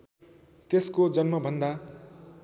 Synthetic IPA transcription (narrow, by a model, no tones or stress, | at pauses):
t̪eskod͡zʌnmʌbʱʌnd̪a